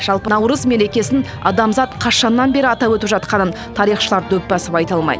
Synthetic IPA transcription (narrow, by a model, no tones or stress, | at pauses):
ʒ̥ɑlˠpəɑwɾəzme̞ɾe̞kʲe̞sɪn | ɑ̰d̪ɑmzɑt̪qʰɑʃɑnːɑnbe̞ɾɪɑt̪ɑwɵt̪ɪpʒɑt̪qɑnən | t̪ʰɑɾijχʃəlˠɑɾd̪ɵpːɑsɪpɑjt̪ɑlˠmɑ̰jd̪ə